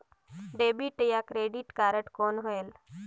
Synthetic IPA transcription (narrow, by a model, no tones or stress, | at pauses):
ɖeːbiʈjakɾeːɖiʈkaːɾəʈkoːnɦoel